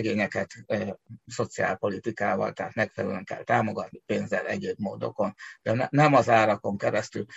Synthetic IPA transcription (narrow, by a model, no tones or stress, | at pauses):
ɡeːɲɛkɛt̪ː | so̞t̪sia̰ːlpo̞lit̪ikaːvɒ̰lt̪aːt̪mɛkfɛlɛløŋkɛ̰lt̪aːmo̞ɡɒt̪nipeːnzɛlɛɟeːbmo̰ːd̪o̞̰ko̞nd̪ɛnɛnɛmɒzaːɾɒko̞ŋkɛɾɛst̪yl